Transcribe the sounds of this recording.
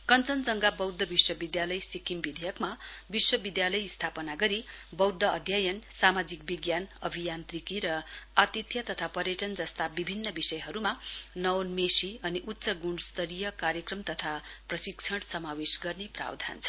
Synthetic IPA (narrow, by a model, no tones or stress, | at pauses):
kʌnt͡sʌnd͡zʌŋɡabʌwd̪ʱːʌbiswʌbid̪jalʌjsikimbid̪ʱejʌkmabiswʌbid̪jalʌjst̪ʰapʌnaɡʌɾibʌwd̪ʱːʌːd̪ʱjajʌnsamad͡zik̚biɡjanʌbʱijant̪rikiɾʌat̪it̪jʌt̪ʌt̪ʰapʌɾjeʈʌnd͡zʌst̪abibʱinːʌbisʌjɦʌɾumanʌwnmesiʌniʔut̪ːsʌɡuɳɖst̪ʌɾijʌkaɾjʌkrʌmt̪ʌt̪ʰaprʌsikt͡sʰʌɽsʌmawesɡʌrnepra̰wd̪ʱa̰nt͡sʰʌ̥